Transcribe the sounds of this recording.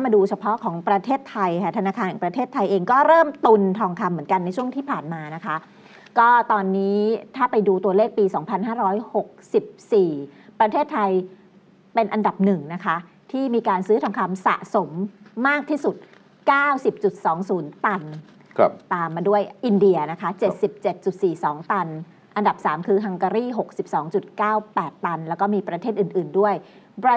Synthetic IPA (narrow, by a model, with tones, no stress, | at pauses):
a˥˩maː˧duː˧t͡ɕʰa˧pʰɔ˦˥ʔkʰɔː˩˦ŋpɾa˧t̪ʰeː˥˩t̪ʰːa˧jkʰa˥˩t̪ʰa˧naː˧kʰaː˧nhʰaː˨˩pɾa˧t̪ʰeː˥˩t̪ʰːa˧jʔeː˧ŋkɔː˥˩ɾɤː˥˩mt̪u˧nt̪ʰɔː˧ŋkʰa˧mːɯ˩˦ənka˧nːa˧jt͡ɕʰu˥˩əŋt̪ʰiː˥˩pʰaː˨˩nmaː˧na˦˥kʰa˦˥ʔ | kɔː˥˩t̪ɔː˧nːiː˦˥t̪ʰaː˥˩pa˧jduː˧t̪u˧ɐleː˥˩k̚piː˧sɔː˩˦ŋpʰa˧nɦaː˥˩ɾɔː˦˥jho˨˩k̚si˨˩p̚siː˨˩pɾa˧t̪ʰeː˥˩t̪ʰːa˧j | pe˧nʔa˧nda˨˩p̚nɯ˨˩ŋna˦˥kʰa˦˥ | t̪ʰiː˥˩miː˧kaː˧nsɯː˦˥t̪ʰa˧mkʰa˧msa̰˨˩ʔso˩˦mːaː˥˩k̚t̪ʰiː˥˩su˨˩t̪̚ | kaː˥˩wsi˨˩p̚t͡ɕu˨˩t̪̚sɔː˩˦ŋsuː˩˦nt̪a˧n | t̪aː˧mːaː˧du˥˩əjʔi˧ndi˧ɐna˦˥kʰa˦˥t͡ɕe˨˩t̪̚si˨˩p̚t͡ɕe˨˩t̪̚t͡ɕu˨˩t̪̚siː˨˩sɔː˩˦ŋt̪a˧n | ʔa˧nda˨˩p̚saː˩˦mkʰɯː˧ɦa˧ŋkaː˧ɾiː˥˩ɦo˨˩k̚si˨˩p̚sɔː˩˦ŋt͡ɕu˨˩t̪̚kaː˥˩wpɛː˨˩t̪ːa˧nlɛː˦˥wkɔː˥˩miː˧pɾa˧t̪ʰeː˥˩ʔɯː˨˩nʔɯː˨˩ndu˥˩əj | bɾa˧